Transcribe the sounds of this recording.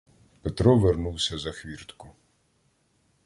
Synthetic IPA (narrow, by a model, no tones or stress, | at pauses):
pet̪ɾɔʋernuwsʲɐzɐxʋʲirt̪kʊ